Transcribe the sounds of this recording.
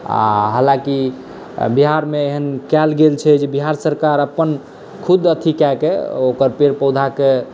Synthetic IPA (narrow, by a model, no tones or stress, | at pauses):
a̰ɦəlãki | biɦaɾmeeɦənkɛlɡelt͡ʃʰɛd͡ʒebiɦaɾsəɾkaɾəpːən | kʰud̪ət̪ʰikɛkeokəɾpeɾpəwd̪ʱake